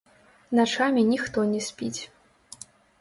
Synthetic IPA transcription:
nat͡ʂamʲinʲixt̪ɔnʲɛsʲpʲit͡sʲ

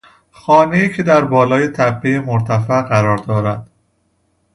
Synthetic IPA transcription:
xɒːneiːcʰe̞d̪æɾbɒːlɒːjet̪ʰæpːejemoɾt̪ʰæfæʔɢæɾɒːɾd̪ɒːɾæd̪̥

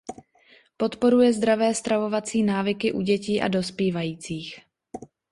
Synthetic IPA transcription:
po̞t̪po̞ɾujɛzd̪ɾavɛːst̪ɾavo̞vat͡siːnaːvɪkɪʔuɟɛciːʔa̰do̞spiːvajiːt͡siːx

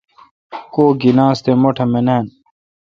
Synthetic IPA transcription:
koːɡinãːst̪emoʈʰɐmeneːn

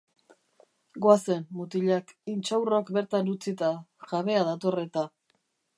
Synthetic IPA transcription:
ɡoase̞nmut̪iʎakint͡ʃawrokbe̞ɾt̪anut͡sit̪aʝaβe̞aðat̪o̞re̞t̪a

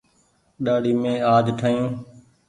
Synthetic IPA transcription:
ɗaːɽiːmẽːaːd͡ʒʈʰaːjũː

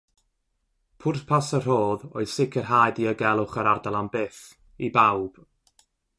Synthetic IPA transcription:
pʰʊrθpʰasər̥oːðo̰ɨð̥sɪkʰərɦaːjdiəɡɛlˠʊχəɾardalˠambɪːθ | ibawb̥

